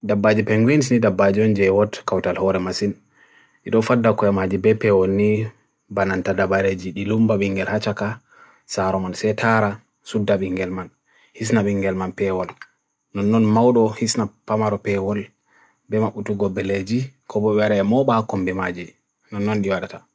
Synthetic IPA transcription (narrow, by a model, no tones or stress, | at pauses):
dabːad͡ʒipɛŋɡwins̬nidabːad͡ʒiɔnd͡ʒɛwɔtkawtalhɔɾɛmasin | ɗiɗɔfadːakɔɛmad͡ʒibɛpɛwɔnːi | banantadabaɾed͡ʒiɗilumbaɓiŋɡɛlhat͡ʃaka | saɾɔmansɛtʰaɾa | sudːaɓiŋɡɛlman | his̬naɓiŋɡɛlmanpɛwɔl | nɔnːɔnmawɗɔhisnapamaɾɔpɛwɔl | bɛmaɓutuɡɔbːɛled͡ʒikɔbɔbɛwaɗaɛmɔɓakɔmbɛmad͡ʒi | nɔnːɔnɗiwaɗata